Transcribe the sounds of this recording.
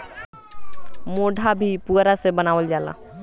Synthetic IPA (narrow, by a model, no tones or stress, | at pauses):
moːɖʱabʱipuɾasebənaːʋəld͡ʒaːla̰ː